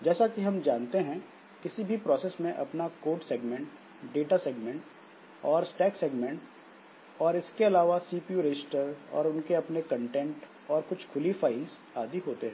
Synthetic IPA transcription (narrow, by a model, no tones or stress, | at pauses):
d͡ʒɛːsakiɦɐ̃md͡ʒaːnt̪eɦɛ̃ | kɪsibʱipɾɔːsɛːsmẽʔɐpnakoːɾʈseːɡmɛ̃ɳʈ | ɖeːʈaseːɡmɛ̃ɳʈ | ɔːɾsʈɛːkseːɡmɛ̃ɳʈ | ɔːɾɪskeɐlaːʋasiːpijuɾed͡ʒɪsʈəɾɔ̰ːɾʊnkeɐpnekɐ̃ɳʈɛ̃ɳʈ | ɔːɾkʊt͡ʃʰkʰʊlifaːɪlz | aːd̪iɦoːt̪eɦɛ̃ː